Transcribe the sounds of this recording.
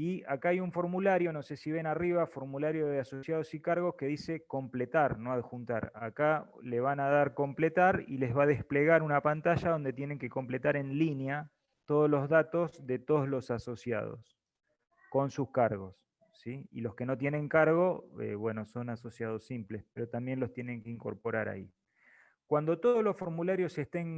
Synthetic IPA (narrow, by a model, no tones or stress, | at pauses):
iakaajuɱfo̞ɾmulaɾjo̞no̞se̞siβenariβ̞afo̞ɾmulaɾjo̞ðeaso̞sjað̞osikaɾɣo̞ske̞ðise̞ko̞mplet̪aɾnoaðexunt̪a̰ɾa̰ka | le̞β̞anaðaɾko̞mplet̪aɾḭle̞zβaðehple̞ɣaɾunapant̪aʒaðo̞nd̪e̞t̪jene̞ŋke̞ko̞mple̞t̪aɾe̞nlinja | t̪o̞ðozlo̞zðat̪o̞zðe̞t̪oðozlo̞saso̞sja̰ð̞o̞̰s | ko̞nsuskaɾɣo̞sː | iḭlo̞ske̞no̞t̪̬je̞nẽ̞ŋkaɾɣo̞ḛβwe̞no̞so̞naso̞sjað̞o̞simplespeɾo̞t̪ambje̞nlost̪jene̞ŋkeiŋko̞ɾpo̞ɾaɾa̰i | kwand̪o̞t̪o̞ðozlo̞sfo̞ɾmulaɾjo̞se̞st̪eŋ